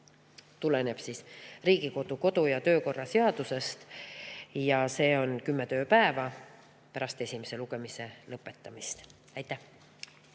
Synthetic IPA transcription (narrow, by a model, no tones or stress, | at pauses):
t̪ulene̞b̥sisriːɡ̥iko̞d̪̥uko̞d̪̥ujɑt̪ø̞ːko̞rːɑse̞ɑd̪̥use̞st̪ | jɑse̞ːo̞nkymːet̪ø̞ːpæevɑ | pæɾɑst̪e̞sʲime̞se̞luɡ̥e̞mise̞lɤpːˑe̞t̪ːˑɑmist̪ | ɑjt̪ˑːæh